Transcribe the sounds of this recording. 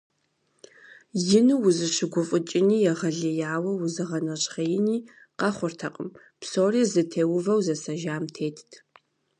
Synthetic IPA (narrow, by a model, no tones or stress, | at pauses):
jɪnuwʊzɨɕɪɡʷʊfʼʊt͡ʃʼɪniːjɛʁɐɮɐjaːwɐwʊzɨʁɐnɐɕʼχɐjɪniː | qɐχʷʊrtʰɐqʼə̰m | psoːriːzɨtʰeːwʊvɐwzɐsɐʒaːmtʰeːtʰtʰ